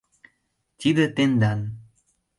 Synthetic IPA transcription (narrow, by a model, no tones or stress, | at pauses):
tʲid̪ət̪end̪an